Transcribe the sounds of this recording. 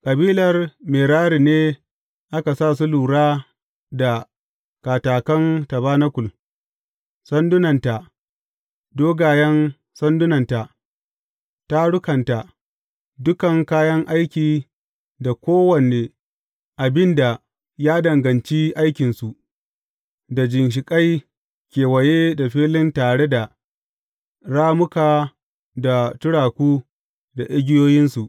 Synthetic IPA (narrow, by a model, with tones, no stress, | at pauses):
kʼɐ˨biː˦lɐ˨rmeː˨ɽaː˦ɽi˨neː˦ | ʔa˦ka˨saː˦˨s̬u˦luː˨ɽaː˦ | da˨ | kaː˨taː˨kɐ˦ŋtɐ˨baː˦nɐ˦kʷʊ˨l | sɐ˦ndʊ˦nɐ˨nta˨ | doː˦ɡaː˨jɐ˦n | sɐ˦ndʊ˦nɐ˨nta˨ | ta˦ɽʊ˦kɐ˨nta˨ | dʊ˦kɐ˨ŋkaː˦jɐ˦ŋʔa˦jkʲiː˨ | da˨kʷoː˦wɐ˨neː˨ | ʔa˨bɪ˦nda˨ | jaː˦dɐ˨ŋɡɐ˨nt͡ʃiː˦ʔa˦jkʲɪ˨nsu˨ʔ | da˨d͡ʒɪ˨nʃ̬ɪ˨kʼa˦j | kʲeː˨wɐ˨jeː˦da˨ɸiː˦lɪ˦ntaː˨ɽe˦da˨ | ɽaː˦mʊ˦kaː˨ | da˨tʊ˦ɽaː˨kʷuː˦ | da˨ʔɪ˦ɡʲɪ˦joː˦jɪ˦nsu˨ʔ